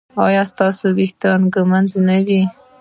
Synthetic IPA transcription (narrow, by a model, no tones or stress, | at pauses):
ɑjɑst̪ɑsobixt̪ɑnɡəmanznawi